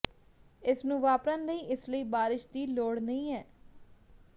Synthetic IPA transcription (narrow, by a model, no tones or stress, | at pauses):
ɪsnũːʋaːpɾaːnləiːʔɪsləiːbaːɾɪʃd̪iːloːɽnəĩːɛː